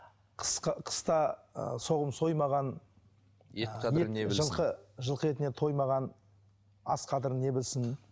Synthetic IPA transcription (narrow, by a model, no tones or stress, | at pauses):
qʰə̥sqʰə̥st̪ɑso̞ʁəmso̞jmɑʁɑn | jeʒəlˠqəʒəlˠqəe̞t̪ɪne̞t̪ʰo̞jmɑʁɑn | ɑ̰sqʰɑd̪əɾənːe̞bɪlsɪn